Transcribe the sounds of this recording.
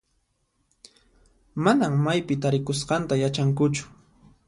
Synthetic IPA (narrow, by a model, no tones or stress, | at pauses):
manammajpɪt̪aɾɪkʊsqɑnt̪ajat͡ʃaŋkʊt͡ʃʊ̥